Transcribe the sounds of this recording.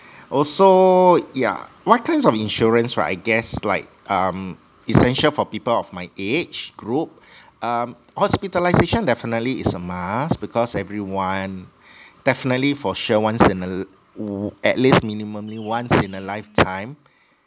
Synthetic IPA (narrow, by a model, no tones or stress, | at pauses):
ʔɔsoja̰ | wɔt̚kʰãɪnsɔfĩnʃɔɹə̃nswɛ̰ʔa̰ɪɡɛsla̰ɪk̚ʔʌ̃m | isɛ̃nʃəlfɔpipəlɔfmaɪʔet͡ʃɡ̥ɹup̚ʔʌm | hɔspitəlaɪzeʃə̃ndɛfinətliɪsəmasbikʰɔsɛvɹiwãn | d̥ɛfinətlifɔʃəwãnsĩnə | ɛ̰tlisminimə̃mliwãnsĩnəlaɪftʰãɪ̃m